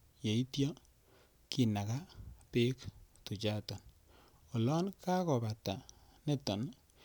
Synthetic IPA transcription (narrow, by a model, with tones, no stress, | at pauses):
je˨i˦tjɔ˦ | ki˨na˨ka˦pe˦ktu˨t͡ʃa˦tɔ˨n | ɔ˨lɔ˦nka˦kɔ˨ba˨ta˨ | ne˦tɔ˨n